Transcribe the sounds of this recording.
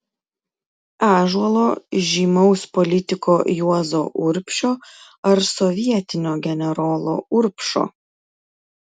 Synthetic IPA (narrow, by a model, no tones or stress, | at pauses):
æːʒuɔlˠoːʒʲiːmɒʊspɔlʲɪt̪ʲɪkoːjuɔzoːʔʊɾʲpʲʃʲoː | ɐɾsɔʋʲiɛt̪ʲɪnʲoːɡʲɛnʲɛɾɔːlˠo̰ːʊɾʲpʲʃo̰ː